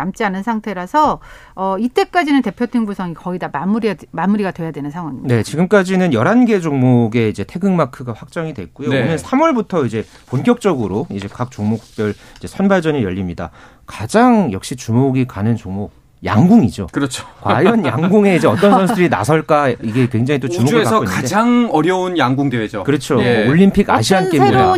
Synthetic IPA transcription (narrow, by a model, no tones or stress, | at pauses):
amt͡ɕ͈ianɯnsʰaŋtʰe̞ɾasʰʌː | it͈e̞k͈ad͡ʑinɯnte̞pʰjotʰɯŋbusʰʌŋikʌidamamuɾimamuɾiɡadwe̞jadwe̞nɯnsʰaŋwaŋine̞t͡ɕiɡɯmk͈ad͡ʑinɯnjʌɾanɡe̞d͡ʑoŋmoɡe̞id͡ʑe̞tʰe̞ɡɯŋmakʰɯɡaɸwak̚t͡ɕ͈aŋidwe̞̰k͈ujoinɯnsʰamwʌɭbutʰʌid͡ʑe̞ | ponk͈jʌk̚t͡ɕ͈ʌɡɯɾoid͡ʑe̞kak̚t͡ɕ͈oŋmoku̥k̚p͈jʌɭid͡ʑe̞sʰʌnbaɭd͡ʑʌnijʌʎːimɲida̰ | kad͡ʑaŋjʌk̚ɕ͈it͡ɕumoɡikanɯnt͡ɕoŋmo | ja̰ŋɡuŋid͡ʑo̰kɯɾʌt͡ɕʰo̥kwa̰jʌnjaŋɡuŋe̞id͡ʑe̞ʌtt͈ʌnsʰʌnsʰɯdɯɾina̰sʰʌɭk͈aiɡe̞kwe̞ŋd͡ʑaŋit̬͈ot͡ɕumoɡekasʰʌoikaed͡ʑaŋʌɾjʌunjaŋɡuŋdeed͡ʑokɯɾʌt͡ɕʰooɭːimpʰiɡa̰ɕʰiank͈ena